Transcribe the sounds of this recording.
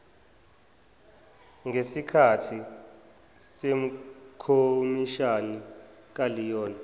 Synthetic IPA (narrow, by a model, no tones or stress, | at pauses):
ŋʱesikʰatʰi | sem̩kʰomiʃani | k̬alijɔːnɛ